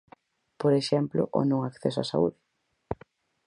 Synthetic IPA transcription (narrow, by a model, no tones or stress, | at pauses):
poɾeʃɛmplo̰ʔo̰nõŋakθesoa̰sa̰ṵðɪ